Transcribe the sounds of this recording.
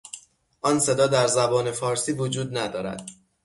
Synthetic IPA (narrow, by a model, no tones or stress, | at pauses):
ʔɒːnse̞d̪ɒːd̪æɾzæbɒːne̞fɒːɾsiːvod͡ʒuːd̪̚næd̪ɒːɾæ̰d̪̥̚